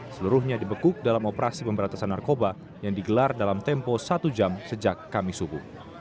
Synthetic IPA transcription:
səluɾʊhɲadibəkʊk̚dalamopəɾasipəmbəɾant̪asanːarkoba | jaŋdiɡəlardalamt̪ɛmposat̪ud͡ʒamsəd͡ʒakːamisubuh

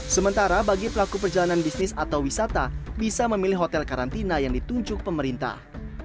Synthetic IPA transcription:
səmənt̪aɾabaɡipəlakupərd͡ʒalananbisnɪsat̪awwisat̪abisaməmilɪɦot̪ɛlkaɾant̪inajaŋdit̪uɲd͡ʒʊk̚pəməɾint̪a̰h

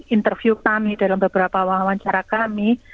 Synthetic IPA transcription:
int̪ərfjukamida̤lambəbəɾapawaɦawaɲt͡ʃaɾakami

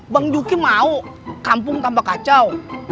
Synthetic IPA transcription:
baŋjuːkimaːwkaːmpuŋt̪aːmpakaːt̚t͡ɕaw

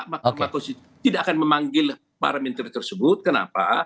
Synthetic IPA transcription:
mamak̪osi | t̪idaʔakanməmaŋɡɪl | ba̰ɾamɛnt̪ərt̪ərsəbʊt̪̚kəna̰pa̰

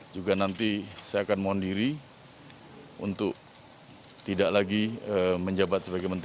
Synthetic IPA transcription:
d͡ʒuɡanant̪isajaːkanmoandiɾi | ṵnt̪ʊk̚ | t̪idaʔlaɡiəməɲd͡ʒabat̪̚səbaɡajmənt̪

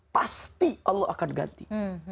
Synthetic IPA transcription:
past̪iʔɔlːɔakanɡa̰nt̪i

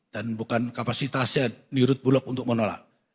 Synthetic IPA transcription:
d̥anbukankapasit̪asɲaniɾʊt̪̚bulɔk̚unt̪ʊk̚mənola̰ʔ

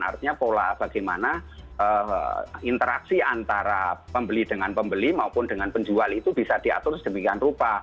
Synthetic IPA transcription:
a̰rt̪iɲapola̰b̥a̤ɡ̥ajmanaə | int̪əɾa̰ksiant̪aɾapəmbəlid̥əŋanpəmbəlimaupʊndəŋanpəɲd͡ʒualit̪ub̥isad̥ia̰t̪ʊɾsd̥əmikianrupa

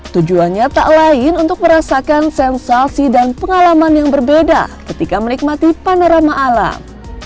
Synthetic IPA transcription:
t̪ud͡ʒuanɲat̪a̰ʔlaɪnunt̪ʊk̚məɾasakansɛnsasidanpəŋalamanjaŋbərbeda̰kət̪ikamənik̚mat̪ipanaɾamaʔːla̰m

